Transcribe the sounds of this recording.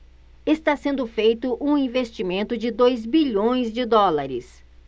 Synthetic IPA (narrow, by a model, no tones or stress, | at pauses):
est̪asẽnd̪ʊfejt̪ʊʔũĩvest͡ʃimẽnt̪ʊd͡ʒɪd̪ojzbiʎõj̃zd͡ʒɪd̪ɔlaɾɪ̰s